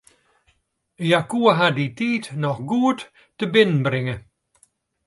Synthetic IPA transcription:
jakuəɦaditiːtnɔχɡuːətː | əbɪnənbɾɪŋə

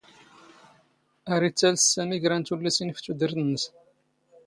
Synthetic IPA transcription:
æɾit͡sːælssæmiʝɾænt̪ulːæsinft̪ːud̪əɾθənːəs

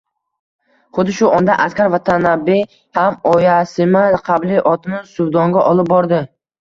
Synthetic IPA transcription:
χʊd̪ɪʃʊʔɒnd̪aʔaskʲaɾvat̪ʰanabe | hamɒjasɪmaqʰɑblɪʔɒt̪ʰɪmɪsʊbd̪ɒŋɡʲaʔɒlˠɪp̚bɒɾd̪ɪ

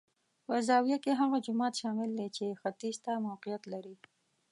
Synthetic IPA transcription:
pəzɑwjakeɦaɣad͡ʒʊmɑt̪ʃɑmɪld̪et͡ʃexat̪izt̪amawqijat̪laɾi

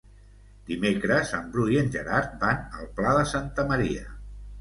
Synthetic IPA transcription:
d̪imekɾəzəmbɾujənʲʒəɾaɾt̪̚banəlˠplaðəsant̪əməɾiə

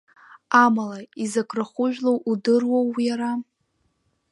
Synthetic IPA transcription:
amalaizakʰʼraχʷʊʒᶣlowʔudɨrwowːijaɾa

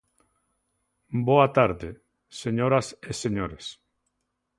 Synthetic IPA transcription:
boat̪aɾðe | seɲoɾaseseɲoɾes

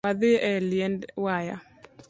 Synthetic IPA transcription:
aðɪʔɛljɛndwaja̰

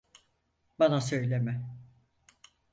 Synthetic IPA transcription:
banasø̞jlʲemɛ

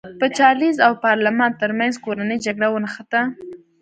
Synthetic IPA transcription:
pət͡ʃɑlizawpɑɾlamɑnt̪əɾmanzkoɾanəjd͡ʒaɡɽawənəxat̪a

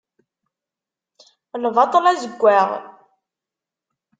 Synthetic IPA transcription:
ləvɑt̪ˤəlæzəɡʷːæʁ

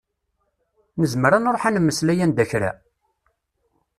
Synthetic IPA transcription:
nəzməɾanoɾˤoħanmːəslæjænd̪æçɾæ̰

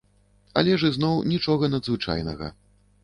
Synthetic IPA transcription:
ɐ̰lʲɛʐɨznɔwnʲit͡ʂɔɣɐnɐd̪zvɨt͡ʂa̰jnɐ̰ɣɐ̰

